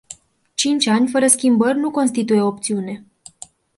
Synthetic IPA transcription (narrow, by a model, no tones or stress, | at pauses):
t͡ʃint͡ʃʲanʲfəɾəskʲimbərʲnuko̞nst̪it̪uje̞op̚t̪siune̞